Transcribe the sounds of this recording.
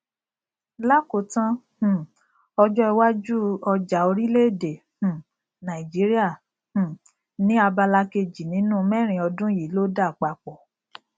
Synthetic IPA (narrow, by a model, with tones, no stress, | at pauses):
la˦ko˨tã˦h̩˨ | ɔ˧d͡ʒɔ˦ɛ˧wa˦d͡ʒu˦ɔ˧d͡ʒa˨o˧ɾi˦le˦˨de˨ | h̩˨ | nã˨i˨d͡ʒi˨˦ɾi˦a˦˨ | h̩˨ | nĩ˦a˧ba˧la˧ke˧d͡ʒi˨nĩ˨˦nũ˦˧mɛ˦˨ɾ̃ĩ˨ɔ˧dũ˦ji˨˦lo˦da˦˨k͡pa˨k͡pɔ˨